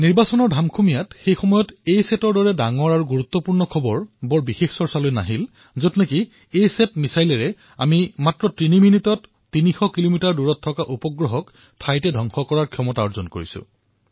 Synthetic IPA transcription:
niɹbasɔnɔɹdʱamkʰumijatxejxɔmɔjɔtejsɛtɔɹdɔɹɛdaŋɔɹaɹuɡuɹut̪ːɔpuɹnɔkʰɔbɔɹbɔɹbixexsɔɹsalojna̰ɦil | zɔtneki | ejsɛtmisajlɛɹɛ | amimatɹɔtɹiniminitɔtː | inixɔkilomitaɹduɹɔtʰːɔkaʔupɔɡɹɔɦɔk | tʰajtɛdʱɔŋxɔkɔɹaɹkʰjɔmɔtaɔzɔnko̰ɹḭsʊ̰̃

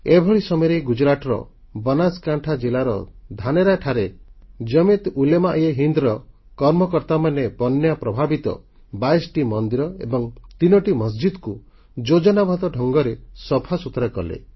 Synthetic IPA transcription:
ebʱɔɭisɔmɔjɾeɡud͡ʒɾaʈɔɾɔ̰ | bɔnaskaɳʈʰad͡ʒilaɾɔ̰d̪ʱaneɾaʈʰaɾed͡ʒɔmit̪ulemaʔjeɦind̪ɾɔ | kɔɾmɔkɔɾt̪amanepɔnːjapɾɔbʱabit̪ɔ̰ | bajsʈimɔnd̪iɾɔḛbɔŋt̪inɔʈimɔs̬d͡ʒid̪ku | d͡ʒod͡ʒɔnabʱɔt̪ɔɖʱɔŋɡɔɾesɔpʰasut̪ɾakɔ̰lḛ

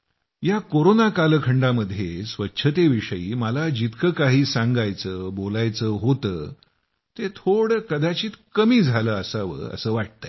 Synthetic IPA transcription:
jakoɾonakaləkʰəɳɖaməd̪ʱjesʋətːɕʰət̪eʋiʂəjiːməlad͡ʑit̪kʰəkaɦiːsãŋɡajt͡səːbolajt͡səːɦot̪əː | t̪et̪ʰoɽəkəd̪at͡ɕiːt̪kəmiːd͡zʱaləːəsaʋə̰ə̰səːʋaʈ̚t̪ə

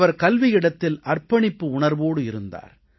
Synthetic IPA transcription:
ʋɐɾkɐlʋɪjɪɽɐt̪ːɪlʔɐrpɐɳɪpːɯʊɳɐɾʋoːɽɯɪɾɯnd̪a̰ːɾ

